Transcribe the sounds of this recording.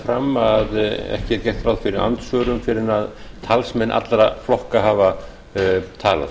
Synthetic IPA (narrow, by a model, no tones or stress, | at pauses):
fɾamːaðɛ̰hcɪɛɾcɛjht̪ɾawðfɪɾɪɾa̰nt̪svœːɾʏmfɪɾɪnaðt̪ʰalsmɛnʔa̰t̪lɾaflɔhkaɦaːva | t̪ʰaːla̰ð